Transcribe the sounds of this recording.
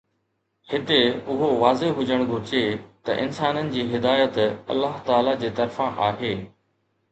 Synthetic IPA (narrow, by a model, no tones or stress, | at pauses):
hɪt̪eʊɦoʋaːzeɦʊd͡ʑəɽ̃ɡʱʊɾɪd͡ʑet̪ɐ̰ʔɪ̰nsaːnənɪ̆d͡ʑiːɦɪd̪aːjət̪ɐ̰lːaɦt̪aːlad͡ʑeːt̪ɐɾfãʔaːɦeː